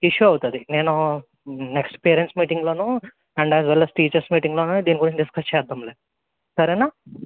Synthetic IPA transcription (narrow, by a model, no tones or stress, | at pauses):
iʂjuɐwut̪ud̪ine̞ːnu | neksʈpeːɾensmiːʈiŋɡlo̞ːnu | ɐɳɖæːzʋɛlɐsʈiːt͡ʃɐɾsmiːʈiŋɡloːnud̪iːniɡuɾiɲt͡ʃɐɖiskɐst͡ʃɛːd̪ːɐmleː | sɐɾejnaː